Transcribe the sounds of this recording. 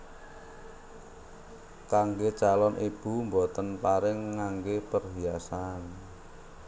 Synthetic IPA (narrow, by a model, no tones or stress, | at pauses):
kaŋɡet͡ʃalɔnʔib̥umbot̪ənpaɾɪŋːaŋɡepərɦiasan